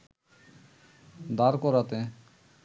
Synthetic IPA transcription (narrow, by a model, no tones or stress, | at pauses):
d̪aɾkɔɾat̪e